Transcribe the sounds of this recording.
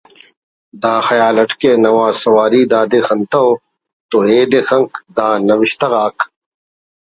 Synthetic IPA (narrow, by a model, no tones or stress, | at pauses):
d̪aːxɐjaːlɐʈkeːnɐwaːsɐwaːɾiːd̪aːd̪exɐnt̪ɐo | t̪oeːd̪exɐŋkd̪aːnɐwiɕt̪ɐɣaːk